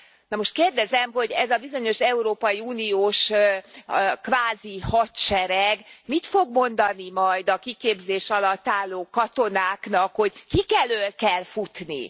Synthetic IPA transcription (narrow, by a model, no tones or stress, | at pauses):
nɒmo̞ʃt̪̚keːrd̪ɛzɛmɦo̞ɟɛzɒbizo̞ɲo̞ʃɛuɾoːpɒiuːnijoːʃ | kvaːzihɒt̪t͡ʃɛɾɛɡmit̪fo̞ɡmo̞nd̪ɒnimɒjd̪ɒkikeːbzeːʃɒlɒt̪ːaːlːoːkɒt̪o̞naːknɒkho̞ɟkikɛløːlkɛlfut̪nḭ